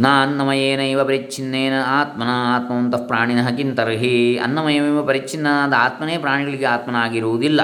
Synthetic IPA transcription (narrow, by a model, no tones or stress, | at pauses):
naːɐnːɐmɐjeːnɐiʋɐpɐɾit͡ʃʰinːeːnɐaːt̪mɐnɐaːt̪̚mɐɐnt̪ɐpɾaːɳinɐɦɐkint̪ɐɾɦiɐ̰nːɐmɐjemɐiʋɐpɐɾit͡ʃinːɐd̪ɐaːt̪̚mɐneːpɾaːɳiɡɐɭiɡeaːt̪̚mɐnɐaːɡiɾuʋud̪ilːɐ